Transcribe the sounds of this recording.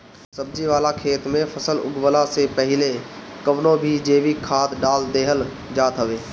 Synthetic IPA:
səb̚d͡ʒiʋaːlakʰeːt̪mẽpʰəsəlʊ̰ɡʋəlasepɐɦɪlekəʋnõbʱid͡ʒeːʋikʰaːd̪ɖaːld̪eːɦəl | d͡ʒaːt̪ɦəʋeː

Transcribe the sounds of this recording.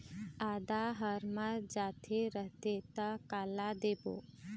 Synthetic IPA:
aːd̪aɦəɾməɾd͡ʒat̪ʰeɾəɦt̪et̪əkalad̪ebo̰ː

